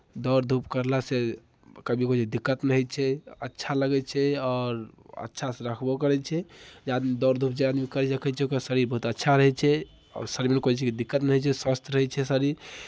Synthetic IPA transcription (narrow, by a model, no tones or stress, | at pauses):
d̪ɔɾd̪ʱupkəɾlase | kəbʱikot͡ʃed̪ikːət̪nəɦɛt͡ʃʰɛə̰tːʃʰaləɡɛt͡ʃʰɛɔːɾə̰tːʃʰaseɾəkʰbɔkəɾɛt͡ʃʰɛd͡ʒad̪mid̪ɔɾd̪ʱupd͡ʒead̪mikəɾɛt͡ʃəkʰɛt͡ʃʰɛokəsəɾiɾbəɦut̪ətːʃʰaɾəɦɛt͡ʃʰɛ | ɔ̰səɾimenkot͡ʃʰɛkid̪ikːət̪nəɦɛt͡ʃʰɛswast̪əɾəɦɛt͡ʃʰɛsəɾiɾ